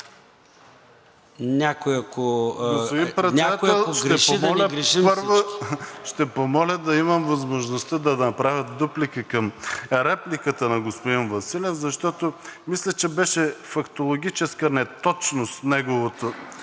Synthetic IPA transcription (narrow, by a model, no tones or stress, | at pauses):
nʲakojɐkoɡosod̪ipɾɛt̪nʲɛdakt̪ɛlˠʃɡɾɛʃomɔlʲɐɡɾiʃimpəɾvoʃt̪ɛpomɔlʲəd̪ɐimɐmvɐzmoʒnost̪əd̪ɐd̪nɐpɾavʲɐt̪̚d̪uplikəkɐmɾɛplikət̪ənɐɡospod̪invɐsilʲɛfzɐʃt̪ɔt̪omislʲɐt͡ʃɛbɛʃɛfɐkt̪olˠoɡʲit͡ʃɛskənɛt̪ɔt͡ʃnost̪nɛɡovot̪o